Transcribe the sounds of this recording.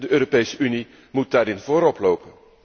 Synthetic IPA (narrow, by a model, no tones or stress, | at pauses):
dəʔøːɾopejsəʔyni | mut̚daːɾɪnvoːɾɔplowpən